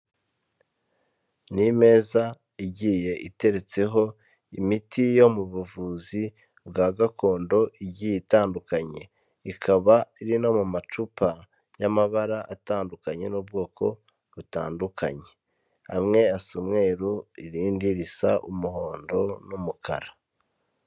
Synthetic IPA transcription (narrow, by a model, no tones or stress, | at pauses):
nime̞ːza | iɟije̞ʔite̞ɾe̞t͡se̞ɦo̞ | imitʰijo̞muβuvuzi | bɡaːɡakʰo̞ːndo̞ʔiɟijitaːndukaɲe̞ | ikʰaβaiɾino̞mumat͡ʃupʰa | jamaβaɾaʔataːndukaɲe̞nuːb̚ɡo̞ːkʰo̞ | βutaːndukʰa̰ɲe̞ | a̰mŋe̞asumŋe̞ːɾuiɾiːndiɾisa̰ʔumuhoːndo̞numukʰa̰ɾa